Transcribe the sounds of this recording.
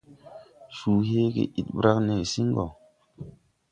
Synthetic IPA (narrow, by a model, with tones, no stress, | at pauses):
suː˨ɦe˦ɡḛ˨ʔi˦t̚ɓɾa˦kne˨si˦ŋ˦ɡɔ˨